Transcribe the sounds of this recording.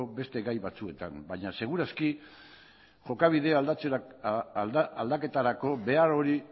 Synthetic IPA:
obe̞st̪e̞ɣajβat͡sue̞t̪ambaɲase̞ɣ̞uɾaski | ʝo̞kaβ̞iðe̞alt͡se | ald̪ake̞t̪aɾako̞βe̞aɾo̞ɾi

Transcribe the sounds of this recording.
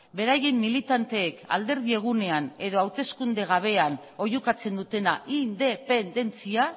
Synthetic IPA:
be̞ɾaje̞mːilit̪ant̪e̞ːka̰ld̪e̞ɾðie̞ɣ̞une̞ane̞ðo̞awt̪e̞skund̪e̞ɣ̞aβ̞e̞ano̞jukat͡se̞nd̪ut̪e̞naʔind̪e̞pe̞nd̪e̞nt͡sia

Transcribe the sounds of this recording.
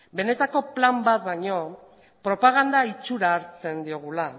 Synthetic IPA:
be̞ne̞t̪ako̞plambat̪̚baɲo̞ | pɾo̞paɣ̞and̪ait͡suɾaːɾt͡se̞nd̪io̞ɣ̞ula

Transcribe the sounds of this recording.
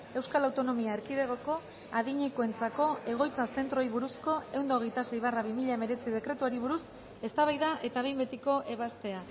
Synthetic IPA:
e̞wskalawt̪o̞no̞miaeɾkiðe̞ɣ̞o̞ko̞ | aðiɲekoe̞nt͡sako̞e̞ɣ̞o̞jt͡sase̞nt̪ɾo̞iβuɾusko̞e̞wnd̪o̞ɣe̞jt̪asejβaraβ̞imiʎaeme̞ɾe̞t͡siðe̞kɾe̞t̪uaɾiβ̞uɾus | e̞st̪aβajðaʔe̞t̪aβe̞jmbe̞t̪iko̞ʔe̞βast̪e̞a

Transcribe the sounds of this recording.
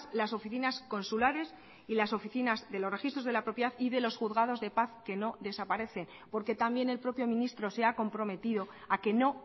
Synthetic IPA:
laso̞fiθinasko̞nsulaɾe̞s | ilaso̞fiθinazðe̞lo̞rexist̪ɾo̞zðe̞lapɾo̞pjaθiðe̞lo̞sxuðɣað̞o̞zðe̞paθke̞no̞ðe̞sapaɾe̞θe̞n | po̞ɾke̞t̪ambje̞ne̞lpɾo̞pjo̞mĩnist̪ɾo̞se̞ako̞mpɾo̞me̞t̪iðo̞ | ake̞no̞

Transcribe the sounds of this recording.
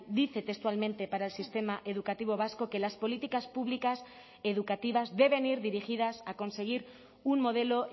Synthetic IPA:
d̪iθe̞t̪est̪ualmẽ̞nt̪e̞paɾaelsist̪e̞maʔe̞ð̞ukat̪iβ̞o̞β̞asko̞ke̞laspo̞lit̪ikaspuβlikas | e̞ðukat̪iβ̞azðe̞β̞e̞niɾðiɾixið̞asako̞nse̞ɣ̞iɾ | unmo̞ð̞e̞lo̞

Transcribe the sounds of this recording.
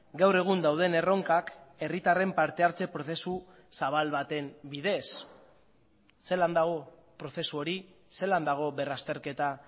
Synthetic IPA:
ɡawre̞ɣ̞und̪awð̞e̞ne̞ro̞ŋkake̞rit̪are̞mpaɾt̪e̞aɾt͡se̞pɾo̞θe̞su | saβ̞alβat̪e̞mbiðe̞s | e̞land̪aɣo̞ | pɾo̞θe̞suo̞ɾise̞land̪aɣ̞o̞βe̞rast̪e̞ɾke̞t̪a

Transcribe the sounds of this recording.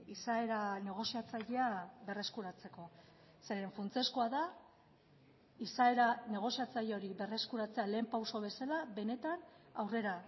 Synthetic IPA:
isae̞ɾane̞ɣ̞o̞siat͡saʎeabe̞re̞skuɾat͡se̞ko̞ | se̞ɾe̞ɱfunt͡seskoaða | isaeɾane̞ɣ̞o̞siat͡saʎo̞ɾiβe̞re̞skuɾat͡se̞ale̞ːmpawso̞βe̞salabe̞ne̞t̪anawre̞ɾa

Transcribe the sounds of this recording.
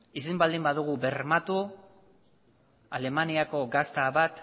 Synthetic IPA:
isembald̪imbaðuɣ̞ube̞ɾmat̪u | ale̞maniako̞ɡast̪aβat̪

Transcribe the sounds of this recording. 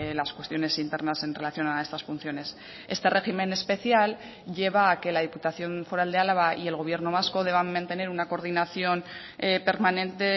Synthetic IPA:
laskwest̪jo̞ne̞sint̪e̞ɾnase̞nre̞laθjo̞nae̞st̪asfun̟θjone̞s | e̞st̪e̞re̞ximẽ̞ne̞spe̞θjal | ʝe̞β̞aːke̞laðiput̪aθjo̞ɱfo̞ɾald̪ealaβaʔie̞lɣ̞o̞β̞je̞ɾno̞β̞asko̞ðe̞βammãnt̪e̞ne̞ɾunako̞ɾð̞inaθjo̞n | pe̞ɾmanẽ̞nt̪e̞

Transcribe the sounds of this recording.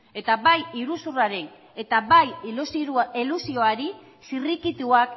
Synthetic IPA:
e̞t̪abajiɾusuraɾe̞n | e̞t̪aβajusiilusio̞aɾi | sirikit̪uak

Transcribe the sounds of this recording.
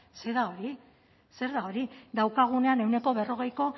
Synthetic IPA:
se̞ðao̞ɾi | se̞ɾðao̞ɾid̪awkaɣ̞une̞ane̞wne̞ko̞βe̞ro̞ɣ̞e̞jko̞

